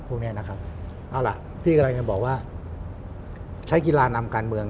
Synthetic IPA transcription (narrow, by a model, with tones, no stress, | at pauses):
pʰu˧ni˥ɐna˦˥kʰa˦˥p̚ | ʔa˧wla̰˨˩ʔ | pʰiː˥˩ka˧mla˧ŋt͡ɕa˧bɔː˨˩k̚waː˥˩ | t͡ɕʰa˦˥jki˧laː˧na˧mkaː˧nmɯ˧əŋ